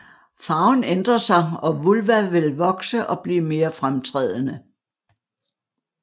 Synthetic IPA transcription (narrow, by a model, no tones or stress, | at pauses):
fɑ̈ʊnend̥ʁɐsɑ̈ɪɒ̽ʋulʋæʋe̝lʋɒ̽ɡ̥səʔɒ̽b̥liːme̝ːɐfʁamt͡sʰʁɛːð̞ˠənə